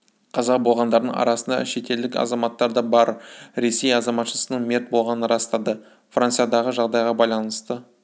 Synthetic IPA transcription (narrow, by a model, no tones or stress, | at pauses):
qʰɑzɑqbo̞lˠʁɑnd̪ɑɾd̪əɴɑ̰ɾɑsənd̪ɑ̰ʃe̞t̪e̞ld̪ɪkɑ̰zɑmɑt̪ːɑɾd̪ɑbɑɾɾe̞se̞jɑzɑmɑt̪ʃəsənəɴmʲe̞ɾt̪̚bo̞lˠʁɑnənɾɑst̪ɑd̪ə | frant̪sɨjad̪ɑʁəʒɑʁd̪ɑjʁɑbɑjlˠɑnəst̪ə